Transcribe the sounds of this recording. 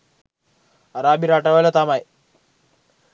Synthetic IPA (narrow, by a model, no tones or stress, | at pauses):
ɐɾaːbiɾaʈːɐʋɐlɐt̪amaj